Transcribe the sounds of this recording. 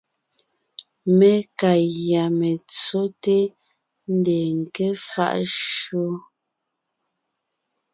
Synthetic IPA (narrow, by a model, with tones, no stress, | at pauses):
me˦ka˨ɣja˨me˨t͡so˦te˦ | n̩˦de˨ŋ̩˨ke˦fa̰˦ʔʃo˦